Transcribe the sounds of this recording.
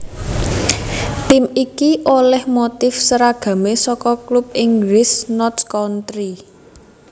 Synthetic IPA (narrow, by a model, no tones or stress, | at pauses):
t̪imikiʔolɛhmot̪ɪfsəɾaɡ̥ä̤mesɔkɔklup̚ɪŋɡlɪsnɔtskɔnt̪ɾi